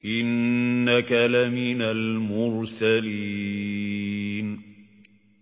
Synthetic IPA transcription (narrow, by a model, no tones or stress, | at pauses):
ʔɪnːakalamɪnalmʊɾsali | n